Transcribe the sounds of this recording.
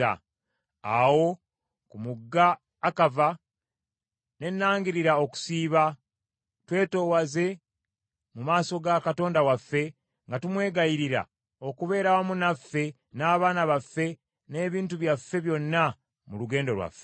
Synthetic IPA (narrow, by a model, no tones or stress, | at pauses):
a̰ | a̰wo̞ | kumuɡːaː | kava | ne̞nːaːŋɡiɾiɾao̞ku̥siːβa | twe̞ːto̞ːwaze̞ | mumaːso̞ɡakato̞ːndawafːe̞ | ŋɡatumwe̞ːɡajiɾiɾa̰ | o̞kuβe̞ːɾawamunafːe̞ | naːβaːnaβafːe̞ | ne̞ːβiːntuβjafːe̞βjo̞nːa | muluɡe̞ːndo̞ɾwa̰fːe